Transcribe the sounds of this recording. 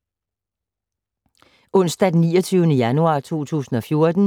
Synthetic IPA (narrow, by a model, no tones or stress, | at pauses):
ʔɔ̽n̰sd̥æd̥nːiːɒt͡sʰyːʊənəjænuɑ̰̈t͡sʰo̝̰ːt͡sʰṵːsn̩ɒ̽fjo̝ɐd̥n̩